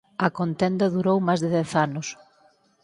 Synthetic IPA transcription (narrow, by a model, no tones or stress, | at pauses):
ɐkont̪ɛnd̪ɐðuɾowmajzðɪðɛθanʊs